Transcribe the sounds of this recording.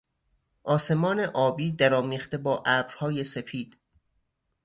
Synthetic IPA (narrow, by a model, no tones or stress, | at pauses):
ʔɒːse̞mɒːne̞ʔɒːbiːd̪æɾɒːmiːχt̪ebɒːʔæːbɾhɒːjese̞pʰiːd̪̥